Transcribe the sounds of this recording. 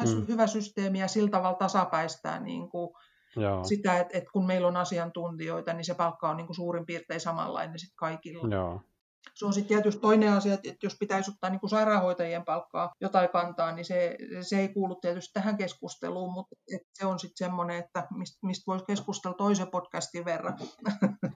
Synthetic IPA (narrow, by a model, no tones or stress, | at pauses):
t̪æsyhyʋæsyst̪eːmijɑsilt̪ɑʋɑlt̪ɑsɑpæist̪æ̰ːnḭːŋku | sit̪æet̪et̪kunmeilonɑsiɑnt̪unt̪ioit̪ɑnisepɑlkːɑonniːŋkusuːrimpiːrt̪eisɑmɑ̰ˑlːɑ̰inensit̪kɑikilːɑ | seonsit̪t̪iæt̪yst̪t̪oineɑsiɑet̪et̪jospit̪æisot̪ːɑːniːŋkusɑirɑːhoit̪ɑjempɑlkːɑːjot̪ɑikɑnt̪ɑːniseˑseeikuːlːut̪t̪iæt̪yst̪t̪æhæŋkeskust̪ḛluːmut̪et̪seonsit̪semːoneet̪ːæmist̪mist̪ʋoiskeskust̪elt̪oisepot̪kæst̪iʋʋerːɑ